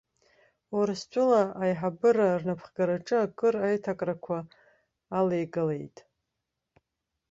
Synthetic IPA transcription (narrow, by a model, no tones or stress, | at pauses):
oɾst͡ʃʷʼʊlaajħabɨɾarnapʰχɡaɾaʈ͡ʂʼɨakʼɨrajtʰakʼrakʷʰaː | lejɡale̞̰jtʼ